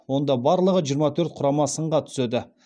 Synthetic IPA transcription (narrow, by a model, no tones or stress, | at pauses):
wo̞nd̪ɑbɑɾlˠəʁəʒijəɾmɑt̪ʰɵɾt̪̚qʰʊɾɑmɑsəɴʁɑt̪ʰʏ̥sed̪ɪ